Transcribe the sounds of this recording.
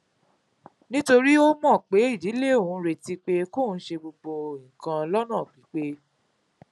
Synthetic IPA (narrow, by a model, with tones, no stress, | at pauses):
nĩ˦to˧ɾi˦o˦mɔ̃˦˨k͡pe˨˦i˦˨di˨˦le˦˨o˨ũ˨˦ɾe˧ti˧k͡pe˦ko˦˨n̩˦ʃe˧ɡ͡bo˧bo˧ĩ˨kã˧lɔ˦nã˦˨k͡pi˨˦k͡pe˦